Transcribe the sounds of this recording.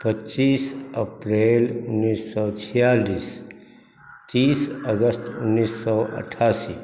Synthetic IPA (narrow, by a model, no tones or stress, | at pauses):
pətːt͡ʃiːsəpɾeːlʊnːiːsːɔt͡ʃʰijaːliːs | t̪iːsəɡəst̪ʊnːisːɔʔə̰ʈʰːaːsiː